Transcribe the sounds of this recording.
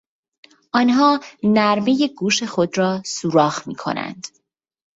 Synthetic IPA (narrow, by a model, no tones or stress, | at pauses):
ʔɒːnɦɒːnæɾme̞je̞ɡuːʃe̞xod̪ɾɒːsuːɾɒːɣmḭːkʰo̞̰næ̰nd̪̥